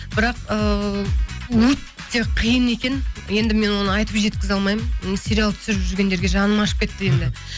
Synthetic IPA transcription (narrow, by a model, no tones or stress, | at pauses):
b̥ɪɾɑqə | wɵt̪ːe̞qʰijəne̞kʲe̞nje̞nd̪ɪme̞nwo̞nəɑjt̪əpʒe̞t̪kʲɪzɑlˠmɑjmənsʲe̞ɾʲialˠt̪ʰʏ̥sɪɾɪpʒʒʏɾɡʲe̞nd̪ɾɡʲe̞ʒɑnəmɑʃəpkʲe̞t̪ːɪe̞md̪ɪ